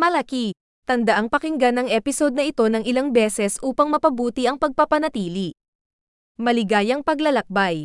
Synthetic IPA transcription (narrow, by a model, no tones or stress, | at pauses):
mɐlɐki | t̪ɐnd̪ɐʔaŋpɐkɪŋɡanɐŋʔɛpɪso̞d̪̚nɐʔɪt̪o̞nɐŋɪlaŋbɛːsɛsʔuːpɐŋmɐpɐbuːt̪iʔɐŋpɐɡ̚pɐpɐnɐt̪iːli | mɐlɪɡaːjɐŋpɐɡlɐlɐk̚baj